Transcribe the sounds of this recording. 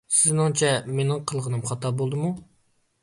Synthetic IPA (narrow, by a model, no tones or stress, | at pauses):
sɪznɪŋt͡ʃʰɛmenɪŋqʰəlˠʁənɨmχɑt̪ɑbolˠd̪ɨmu